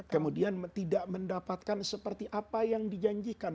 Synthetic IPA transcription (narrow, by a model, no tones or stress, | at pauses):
kkəmudiant̪idaʔməndapat̪̚kansəpərt̪iʔapajaŋdid͡ʒaɲd͡ʒikan